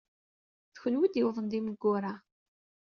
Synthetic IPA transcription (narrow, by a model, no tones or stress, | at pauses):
θəçənwid̪jəwðˤənd̪iməɡːʊɾˤa